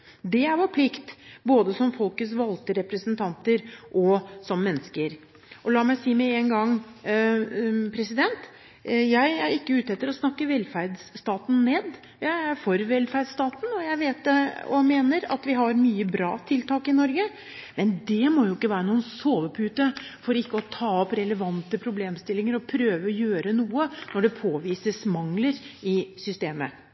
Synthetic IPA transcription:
d̪ɛæɾʋɑɾpʰlɪkt̪boːd̪əsɔmfɔlkət̪sʋɑlt̪əɾɛpɾəsənt̪ʰɑnt̪əɾʔɔsɔmːɛnːəskəɾ | ʔɔlɑːmæɪsiːmɛeːŋɡɑŋː | pʰɾɛsɪd̪ɛnt̪ | jæɪæɾɪkːəʉːt̪ɛt̪ːəɾɔsnɑkːəʋɛlfæɾd̪sːt̪ɑːt̪n̩neːd̪ | jæɪæɾfɔɾʋɛlfæɾd̪st̪ɑːt̪n̩ɔjæɪʋeːt̪̚ɔ̰meːnəɾɑ̰t̪ʋɪɦɑɾmyːəbɾɑ̰ːt̪ʰɪlt̪ɑːkɪnɔɾɡə | mɛnd̪ɛmɔjʊɪkːəʋæːɾənuːənsoːʋəpʰʉːt̪əfɔɾɪkːəɔt̪ʰɑːɔpɾɛləʋɑnt̪əpʰɾʊbleːmst̪ɪlːɪŋəɾɔpʰɾøːʋəɔjøːɾənuːənɔɖɛpʰoːʋiːsəsmɑŋləɾɪsʏst̪eːmə

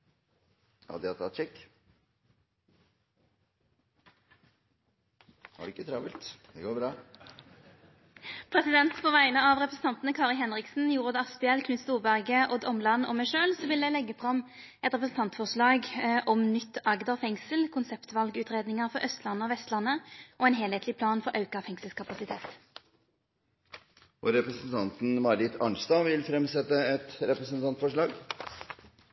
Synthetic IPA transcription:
hɑ̰d̪ɛɑt̪ʰɑt̪t͡ʃɛkː | hɑ̰ɖʉɪkːət̪ʰɾɑːʋɪlt̪d̪̥ɛɡoːbɾɑː | pʰʁɛsɪd̪ɛnt̪pʰoːʋæɪnəɑʋʁɛpɾəsn̩t̪ɑnt̪n̩əkʰɑːʁɪɦɛnʁɪksn̩juːʁəd̪ɛɑspɛɛlkʰnʉt̪st̪uːʁbæʁɡəʔɔd̪ɔmlɑnːɔ̰mæɪʂøːlsɔʋɪld̪ɛlɛɡːəfʁɑm | ʔɛt̪ʁɛpɾəsn̩t̪ɑnt̪fɔʁʂɭɑːɡʔɔmnʏt̪ːɑɡd̪ɑfɛŋsəlkʰʊnsɛpt̪ʋɑlɡʉːt̪ʁeːd̪nɪŋəʁfɔɾœst̪lɑnːəɔʋɛst̪lɑnːəʔɔɛːnɦeːlheːt̪lɪpʰlɑːnfɔɾʔɑʉkɑfɛŋsəlskʰɑpɑsɪt̪ʰeːt̪ | ʔɔɾɛpɾəsn̩t̪ʰɑnt̪n̩mɑɾɪt̪ʰɑ̰ɳst̪ɑʋɪlfɾɛmsɛt̪ːəɛt̪ɾɛpɾəsn̩t̪ʰɑnt̪fɔʂɭɑːɡ

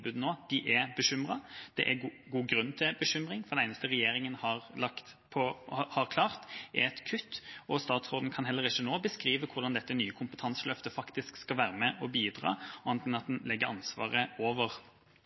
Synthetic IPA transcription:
bʉːd̪n̩oːd̪̥ɪʔɛbəɕʏmʁɑd̪̥ɛ̰ʔɛ | ɡuːɡɾʉnːt̪ʰɪbəɕʏmʁɪŋfɔd̪ɛæɪnəst̪əʁɛjeːɾɪŋənhɑʁlɑkt̪ | pʰɔhɑɾkʰlɑːʁt̪ɛɛt̪kʰʉt̪ːɔst̪ɑːt̪sʁoːd̪n̩kʰɑnɦɛlːəɾɪçːənoːbəskɾiːʋəkʰʊʁd̪ɑnd̪ɛt̪ːənyːəkʰʊmpə̥t̪ʰɑnsəlœft̪əfɑkt̪ɪskskɑlʋæːɾəmɛʔɔbiːd̪ʁɑ̰ːɔɑnt̪ɪŋɑt̪̚d̪ɛnlɛɡːəɾɑnsʋɑ̰ːʁəoːʋəʁ

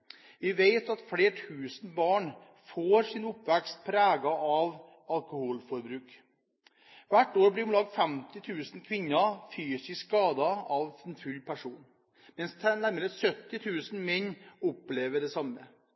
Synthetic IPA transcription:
ʋɪʋeɪt̪ɑt̪fleːʈʰʉːsən̩bɑːɳ | foːɾsɪnʊpʋækst̪̚pʰɾæːɡɑɑʋ | ɑlkʊhuːlfɔɾbɾʉːk | ʋæʈːoːɾblɪʊnlɑːɡ̪fɛmt̪ɪt̪ʰʉːsn̩kʰʋɪnːɑfyːsɪskɑːd̪ɑɑʋɛnfʉlːpʰæʂuːn | mɛnst̪ʰnæɾməɾəsœt̪ːɪt̪ʰʉːsn̩mɛnːʊpleːʋəɖɛsɑmːə

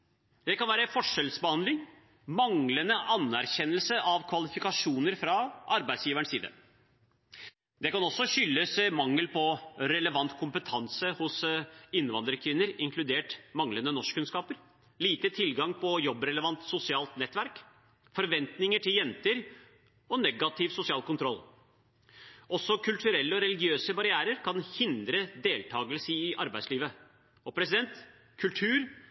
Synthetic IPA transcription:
d̪̥ɛkɑnʋæːɾəfɔʂɛlsbəhɑnd̪lɪŋ | mɑŋlənəʔɑnæɾçɛnːəlsəʔɑʋkʰʋɑlɪfɪkɑʂuːnəɾfɾɑʔɑɾbæɪsjiːʋæɳʂsiːd̪ə̰ | d̪ɛkɑnɔsːɔɕʏlːəsmɑŋːəlpʰɔɾɛləʋɑnt̪kʰʊmpət̪ʰɑnsəhʊsɪnːʋɑnd̪ɾəkʰʋɪnːəɾɪŋkʰlʉd̪eːʈmɑŋlənənɔʂkkʰːʉnskɑːpəɾ | liːt̪ət̪ʰɪlɡɑŋpʰɔjɔbɾɛləʋɑnt̪sʊsɪɑːlt̪nɛt̪ːʋæɾk | fɔɾʋɛnt̪nɪŋəʈʰɪljɛnt̪əɾ | ɔnɛɡɑt̪ʰɪʋsʊsɪɑːlkʊnt̪ʰɾɔl | ɔsːɔkʰʉlt̪ʰʉɾɛlːəɔɾɛlɪɡɪøːsəbɑɾɪæːɾəɾkʰɑnhɪnd̪ɾəd̪eːlt̪ʰɑːɡəlsəɪʔɑɾbæɪsliːʋə | ɔpʰɾɛsɪd̪ɛnt̪ | kʰʉlt̪ʰʉːɾ

